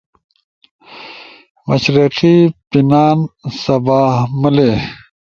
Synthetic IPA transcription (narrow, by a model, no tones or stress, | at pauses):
mɐɕɾiqipinaːnsɐbaːhməle